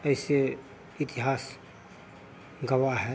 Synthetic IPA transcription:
əɪse | ɪt̪iɦaːs | ɡəwaɦɛ

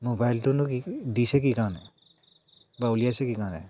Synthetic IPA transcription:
mobajltunukidisɛk̬ikanɛ | baulijasɛkikanɛ̰

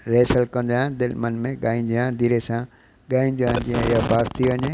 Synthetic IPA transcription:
ɾeːsəlkɐ̃nd̪ãd̪ɪlmɐnmẽɠaːĩːnd̪ijãd̪iːɾesã | ɠaːĩːnd̪ijãd͡ʑĩːə̃ɪɦobʱaːst̪iʋɐɲe

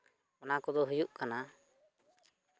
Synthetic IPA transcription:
ɔnakɔd̪ɔɦujuʔkana

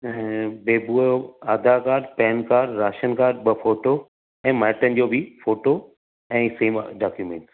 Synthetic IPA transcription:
beːbuaːd̪akaːɾɖpɛːnkaːɖɾaːʃənkaːɾɖ̚ɓɐfoːʈo | ɛ̃ːmaːʈənɪ̆d͡ʑoːbɪfoːʈo | ɛ̃ːseːmɖaːkjumẽːɳʈ

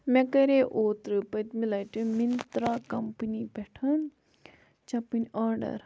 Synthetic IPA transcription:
mɛ̃kɐɾeʔoːt̪ɾɨpɐt̪ʲmilɐʈimint̪ɾaːkɐmpɨnipɛʈʰɐn | t͡ʃɐpɨnʲaːɾɖɐ̰ɾ

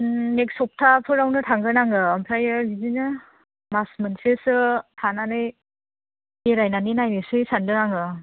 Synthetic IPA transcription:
ek̚sɔp̚tʰapʰɯɾawnɯtʰaŋɡɯnaŋɯːmpʰɾajɯbizinɯ | masmɯnsesɯtʰananɯj | eɾajnaninajnɯsɯjsandɯnaŋɯ

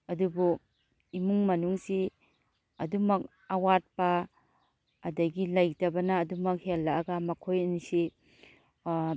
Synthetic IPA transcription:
ɐdubu | imuŋmɐnuŋsi | ɐdumɐk̚ | ɐwat̚pɐː | dɐɡilajtɐbɐnɐːdumɐk̚helːaːɡɐmɐkʰojɐnisi

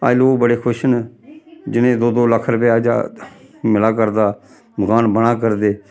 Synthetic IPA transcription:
a̰ːloːbəɽeːkʰʊʃən | d͡ʒɪnẽːd̪oːd̪oːləkʰɾəpɛaːd͡ʒa̰ːmɪlaːkəɾd̪aː | bəɡaːnbəɽ̃aːk̬əɾd̪eː

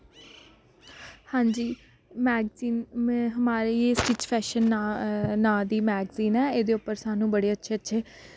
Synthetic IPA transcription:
hãːɲd͡ʒiː | mɛːɡziːnmːɦəmaːɾeeːsʈiːt͡ʃpʰɛːʃən | nãːd̪iːmɛːɡziːnɛːeːd̪eːʊpːəɾsaːnũːbəɽeːətːʃʰeːətːʃʰeː

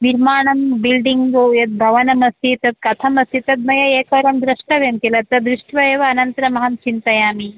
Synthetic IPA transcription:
niɾmaːɳɐmbilɖiŋɡɡojɐt̪̚bʱɐʋɐnɐmɐst̪it̪ɐt̪̚kɐt̪ʰɐmɐst̪it̪ɐt̪̚mɐjɐeːkɐɾɐmd̪ɾɐʂʈɐʋemk̪ilɐt̪ɐd̪ɾiʂʈʰʋɐjɐʋɐːnɐnt̪ɐɾɐmɐɦɐmt͡ʃint̪ɐjaːmi

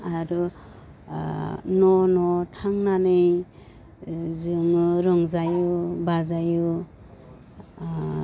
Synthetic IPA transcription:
aɾu | nɔnɔtʰaŋnanɯj | zɯŋɯɾɔŋzajubazaju

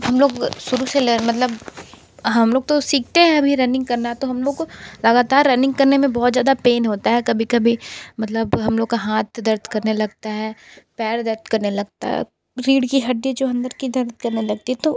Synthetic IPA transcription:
ɦɐmloːɡsʊɾuselemɐt̪ləb | ɦɐmloːɡ̚t̪osiːk̚ʰt̪eɦɛ̃ɐbʱiɾɛ̃ːnɪ̃ŋɡ̚kɐɾnaɦɛt̪oɦɐmloːɡlɐɡaːt̪aːɾːɛːnɪ̃ŋɡkɐɾnemẽbɔːt̪zjaːd̪apeːnɦoːt̪aɦɛkɐbʱikɐbʱimɐt̪ləbɦɐmloːɡkaɦaːt̪̚ʰd̪ɐɾd̪ʱkɐɾnelɐɡt̪aɦɛːpɛːɾd̪ɐɾd̪kɐɾnelɐɡ̚t̪a̰ɦɛ̰ | ɾiːɽkiɦɐɖed͡ʒoːɐ̃nd̪əɾkid̪ɐɾd̪̚kɐɾnelɐɡ̚t̪iɦɛt̪o

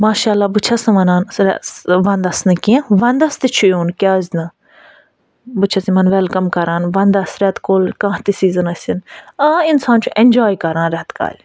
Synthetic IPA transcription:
maːʃaːlːaːbut͡ʃʰɐsɐʋɐnaːnsɾɛsʋɐ̃nd̪ɐsnɐkĩʋɐnd̪ɐst̪it͡ʃʰujuːnkʲaːzʲnɨ | bɨt͡ʃʰɐsimɐnʋɛlkɐmkɐɾãːnʋɐnd̪ɐsɾɛt̪koːlkãːht̪isiːzɨnɐsʲinãːinsaːnt͡ʃʰuʔenʲd͡ʒaːjkɐɾãːnɾɛt̪ka̰ːlʲ

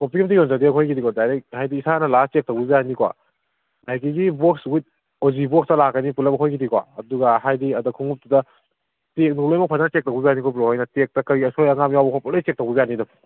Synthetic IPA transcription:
kopimtiɡiɔnzadiaojkidikwadajɾehajdiːsanɐlast͡ʃek̚tawbibijanikwa̰ | ajkiɡibok̚swit̚ | ozibokstɐlakːɐnipulɐpbɐɦʰojkidikwa̰ɐ̰duɡɐɦajdiɐdɐkʰuŋup̚tudɐ | tek̚nulojmɐk̚pʰanntek̚tawbibijanikɔbɾohajnɐtek̚tɐkɐɾiɐsʰojɐŋamjawbɐkʰapɔlejt͡ʃek̚tawbibijanidɐm

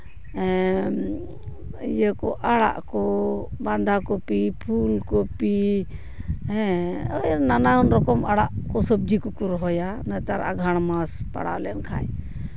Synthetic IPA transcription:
ɛ | jəkɔʔaɽa̰ʔkɔband̪ʱakɔpipʰulkɔpi | ɦɛ̃ɔjnanaɦɔnɾɔkɔmaɽaʔkɔsəb̚d͡ʒikɔkɔɾɔɦɔjanɛt̪aɾʔa̰ɡʱaɽ̃maspa̰ɽa̰wlɛnkʰa̰j

